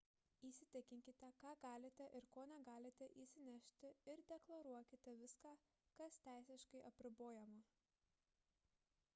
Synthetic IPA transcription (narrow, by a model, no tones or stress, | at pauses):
iːsʲɪt̪ʲɪkʲɪŋʲkʲɪt̪ʲɛkɑːɡɑːlʲɪt̪ʲɛʔɪɾkoːnʲɛɡɑːlʲɪt̪ʲɛʔiːsʲɪnʲɛʃʲt̪ʲɪɪɾd̪ʲɛklˠɐɾuɔkʲɪt̪ʲɛʋʲɪskɑː | kɐst̪ʲæˑɪsʲɪʃkɐɪʔɐpʲɾʲɪboːjɛmɐ